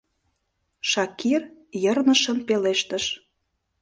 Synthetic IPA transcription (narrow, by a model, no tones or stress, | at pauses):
ʃɑkirjərnə̆ʃənpeleʃt̪əʃ